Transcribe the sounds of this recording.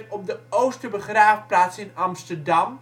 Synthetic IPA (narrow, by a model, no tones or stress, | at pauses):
tɔp̚dəowstəbəχraːfplaːtsɪnɑmstərdɑm